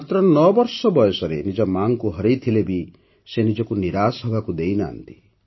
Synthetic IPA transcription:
mat̪ɾɔnɔbɔɾsɔbɔjɔsɔɾḛnid͡ʒɔmaŋkuɦɔɾejt̪ʰilebi | senid͡ʒɔkuniɾasɦɔbʱakud̪ejna̰nt̪i̥

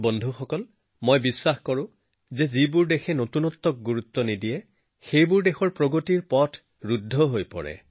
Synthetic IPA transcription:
bɔndʱuxɔkɔl | mojbiswaxkɔɹʊ̃ | zɛzibʊɹdexʰɛnotunɔt̪ːɔk̚ɡuɹut̪ːɔnidijɛ | xejbʊɹdexɔɹpɹoɡotiɹpɔtʰ | ɹudʱːɔɦojpɔ̰ɹɛ̰

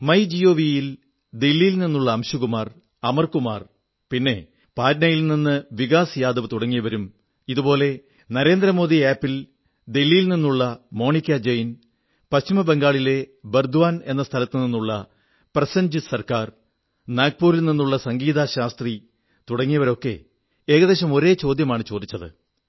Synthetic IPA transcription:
mɐjd͡ʑijoːʋijil | d̪elːijilninːuɭːɐːmɕuɣumaːr | ɐmɐrkumaːr | pinːe̞ | paːdnɐjilninːɨʋiɣaːsjaːd̪ɐʋɨt̪uɽɐŋːijɐʋɐɾum | iðubo̞ːle̞ | nɐɾe̞ːnd̪rɐmo̞ːd̪iaːpːil | d̪elːijilninːuɭːɐmo̞ːɳikʲːɐd͡ʑejin | pɐɕt͡ɕimɐbeŋɡaːɭile̞berd̪uʋaːne̞̰nːɐst̪ʰɐlɐt̪ːɨninːuɭːɐ | prɐsɐnd͡ʑɨsɐrkaːr | naːk̚puːɾilninːuɭːɐsɐŋɡiːðaɕaːst̪ri | t̪uɽɐŋːijɐʋɐɾo̞kːe̞̰ | e̞ːɣɐðe̞ːɕɐmo̞ɾe̞ːt͡ɕo̞ːd̪jɐmaːɳɨt͡ɕoːd̪it͡ɕːɐðɨ̰

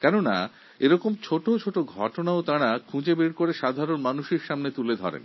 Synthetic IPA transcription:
kɛnona̰ | eɾɔkomt͡ɕʰoʈot͡ɕʰoʈoɡʱɔʈonaot̪aɽ̃akʰũd͡ʑebeɾkoɾeʃad̪ʱaɾonmanuʃeɾʃamnet̪uled̪ʱɔ̰ɾḛn

